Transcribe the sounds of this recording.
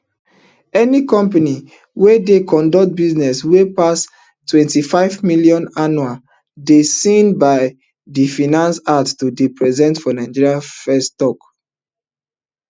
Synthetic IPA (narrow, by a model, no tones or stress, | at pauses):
ɛnikɔ̃mpani | wedekɔ̃ndɔkt̚biznɛswepas | twɛ̃ntifaɪvmiljɔ̃nanua | desĩnbaɪ | difinãnsatstudepɹɛzɛ̃ntfɔnaɪ̃d͡ʒiɹiafɛstɔk